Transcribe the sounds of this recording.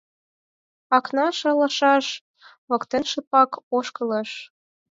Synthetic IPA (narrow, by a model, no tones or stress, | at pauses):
ɑknɑʃɑlɑ̆ʃɑʃ | βɤ̆kt̪enʃə̆pɑkoʃkɤləʃ